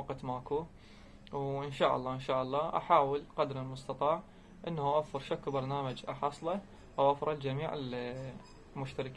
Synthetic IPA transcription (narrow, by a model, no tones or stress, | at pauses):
ɑqt̪maːku | wʔɪnʃaːʔɑ̰lˤːɑːʔɪnʃaːʔɑlˤːɑːʔa̰ħaːwəlqad̪ɾɪlmʊst̪ɑt̪ˤɑːʕ | ʔɪnːhʔaʔafːɑɾˤʃakːwbɑɾˤnaːmad͡ʒʔaħɑsˤlɑ | ʔawʔafɾˤɑld͡ʒamiːʕɪ̰l | mʊʃt̪aɾɪkː